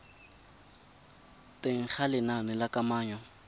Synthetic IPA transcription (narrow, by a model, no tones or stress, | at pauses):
tʼeŋ̩χʰalɪnanɪlakʼamaːɲɔ